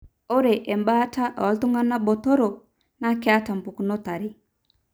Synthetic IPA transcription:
o˦ɾe˨ʔɛ˨mba˦ta˦ʔɔ˨˦tu˦ŋa˦na˦bɔ˨to˦ɾo˨ | na˦kɛ˦a˦ta˨m˨pu˨ku˨nɔ˦ta˨ɾi˦

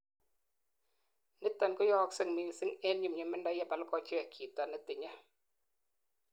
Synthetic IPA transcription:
nɨ˦t̪ːa˨nkɔ˦jɔ˦ksɨ˨ŋmi˨ŋsɨ˦ŋe˦nɲu˨mɲa˨mə˦nda˦ja˦pa˨lkɔ˨t͡ʃi˦a˨kʰi˨ta˨nə˦t̪i˨ɲa˦

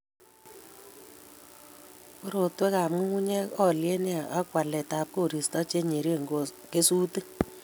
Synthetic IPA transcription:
o˦ɾo˨twe˦ka˨mu˦u˦ɲɛ˦ɔ˦lje˦ne˦a˨ʔa˦kwa˨lɛ˨ta˨˦p̚ko˦˨ɾi˨stɔ˦t͡ʃe˦ɲe˨ɾi˦e˦˨ŋɡo˨ | ke˦su˦te˦

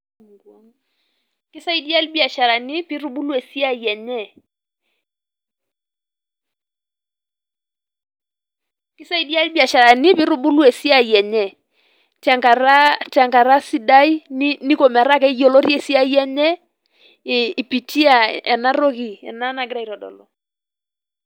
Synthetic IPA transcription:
ŋɡɔ˦ŋ | kɪ˦sa˦i˦di˦a˦lbi˦a˨ʃa˨ɾa˨ni˦pi˦ɾu˦ɓu˦lu˦ɛ˨si˦a˦˨jɛ˨ɲɛ˦ | kɪ˦sa˦i˨˦di˦a˦lbi˦a˨ʃa˨ɾa˨ni˦pi˦ɾu˦ɓu˦lu˦ɛ˨si˦a˦˨jɛ˨ɲɛ˨ | ta˨ka˨ɾa˦ta˨ŋka˨ɾa˦si˦da˦i˦ni˦ko˨mɛ˨ɾa˦kɛ˦i˦jo˨lo˦ɾi˦ɛ˨si˦a˦jɛ˦ɲɛ˦˨ | pi˨ti˦a̰˦˨ɛ̰˨na˦ɾo˦ki˨ɛ̰˨na˦na˨ɡɪ˦ɾa˨i˨ɾɔ˨dɔ̰˨lɔ̰˨

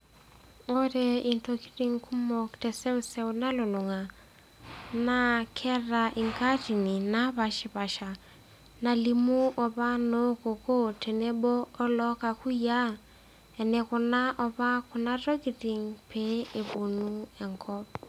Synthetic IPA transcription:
o˦te˨i˨nto˨ki̥˦ti˨ŋkʰu˦mɔ˨ktɛ˨sɛ˦u˦sɛ˦una˦lo˨lʊ˨ŋa˨ | na˦kʰɛ˦ra˨ʔi˨ŋka˦ti˨ni˨na˦βa˨ʃɪ˨βa˨ʃa˨ | na˨li˨mu˦ʔɔ˨βa˦no˦ko˨ko˦te˨ne˦boː˦lɔ˦ka˨ku˦ja˦ | ɛ˨ne˨kʊ˨na˦ʔɔ˨βa˦kʊ˨na˦ɾo˦ki˨ti˨ŋpʰe˦e˨bu˨nu˦ɛ˨ŋkɔ˦p̚

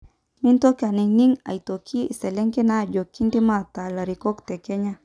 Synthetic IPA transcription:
mi˦nt̪o˦ka˨ni˧ŋni˦ŋa̰˨jt̪o˨kʰi˦˨se˨le˦ŋke˦na˦˨d͡ʒo˨ki˦nd̪i˦ma˦t̪a˨la˨ɾi˨ko˦kt̪e˨ke˦ɲa˦

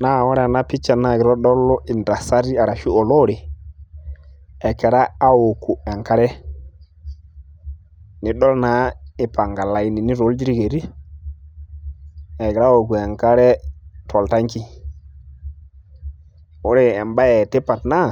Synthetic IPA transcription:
na˦˨wɔ˦ɾa˨na˦pi˦t͡ʃa˨na˦˨ɡɪ˨ɾɔ˦ɗɔ˦lɔ˦i˨ndɾa˨sa˦ɾi˦a˨ɾa˨ʃu˦o˨lo˦ɾe˨ | ɛ˨kɛ˨ɾaː˦wo˨ku˨ɛ˨ŋka˦ɾɛ˦ | ni˨ɗɔ˦lna˨˦ɪ˨pa˨ŋɡa˨la˨i˦ni˨ni˦ɾo˨˦ld͡ʒi˦ɾi˦ɡe˨ɾi˦ | ɛ˨kɛ˨ɾa˦wo˨ku˨ɛ˨ŋka˦ɾɛ˦tʰɔ˨lta˦ŋki˦ | wo˦ɾe˦ɛ˨mba˦jɛ˨te˦pa˨tna˦˨

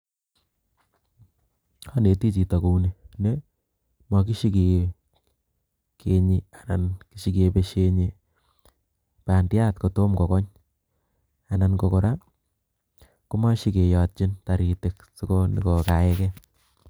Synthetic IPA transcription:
a˦ne˨ti˦t͡ʃi˨ta˨ko˨une˦ne˦ | mwa˨k̬i˦ʃi˦ke˨ | ke˨ɲia˨na˨nkiʃi˦ke˨pe˦ʃe˦ɲi˦ | pa˨ndɪ˦a˦tko˨to˦mkɔ˨kɔ˦ɲ | a˨na˨nko˨ko˨ɾa˦ | ku˦ma˦ʃi˦ke˨ja˨t̚t͡ʃi˦nta˨ɾi˨te˨ksi˦ko˦nḭ˨kɔ˨ka˨ɛ˦kɛ˦

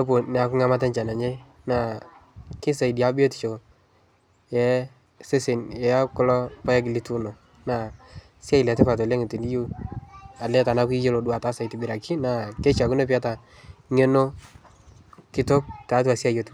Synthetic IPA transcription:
o˦po˨n˨a˨ku˦ŋa˦ma˦tɛ˦nt͡ʃa˨na˨ɲe˦ | na˨ | kɪ˦sa˨i˨di˨a˦bi˦o˦ti̥˨t͡ʃo˨ | jɛ˨˦ | se˦sɪ˨njɛ˨˦kɔ˦lɔ˦pa˦ɛ˦k̬ɪ˨li˦tu˦no˨ | na˨ | sja˦i˨lɛ˨tɛ˦pa˨t̬o˨lɛ˦ŋi˨ti˨ni˦ju˦ | a˨lɛ˦ta˨na˦ki˦je˦lo˨dwa˨ta˨˦sa˨i˨ti˨bɪ˨ɾa˨ki˦na˨kɛ˦t͡ʃa˨ku˦ne˦p̬i˦a˦ta˨ | ŋe˦no˦ | kɪ˦to˦k̚ta˨˦tu˦a˨sja˦˨jo˦t

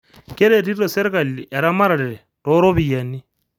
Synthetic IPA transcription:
ke˦ɾe˨ti˦ɾo˨se˦ɾe˦ka˨li˨ʔe˨ɾa˦ma˦ɾa˨ɾi˨ɾe˨to˦ɾo˦βi˨ja˨ni˦

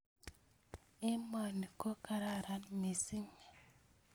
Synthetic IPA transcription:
i˦mɔ˨ni˨ko˦ka˨ɾa˦ɾa˦nmi˨si˦me˨

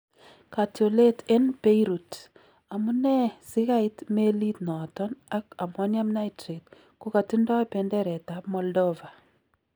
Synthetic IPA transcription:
ka˨tjo˨le˦te˦npe˦iɾu˨t | a˨mu˦nɛ˦sɪ˦ka˦ɪtme˦li˦tnɔ˨tɔ˦na˦ka˨ma˦nja˦mna˦itɾe˨t̚ | ko˦ka˨ti˦ndɔ˦pɛndɛ˦ɾɛ˨tapmɔ˨ldɔva˨

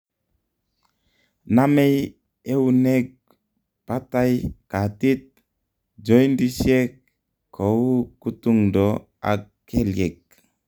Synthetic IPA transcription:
na˦me˦j | e˦u˦ne˦k̚ | pa˦ta˦jka˨ti˦t̪̚ | d͡ʒo˦jndi˦sje˦k̚ | kʰːo˨wu˦ku˦tu˦ŋdo | a̰kː | e˦lje˨k̚

